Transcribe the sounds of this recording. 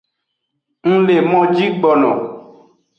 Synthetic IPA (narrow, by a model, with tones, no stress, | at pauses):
ŋ̩̃˦le˨mɔ̃˦d͡ʒi˦ɡ͡bɔ˨nɔ̰̃˨